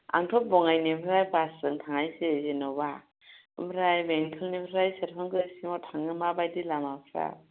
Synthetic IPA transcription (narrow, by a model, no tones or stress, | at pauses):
a̰ŋtʰɔp̚bɔŋajnebʰɾajbasɯŋtʰaŋajsezenɔwba | bɾajbeŋtʰɯlnebʰɾajseɾkʰaŋkɯsimatʰaŋɯmabajdilamapʰɾa̰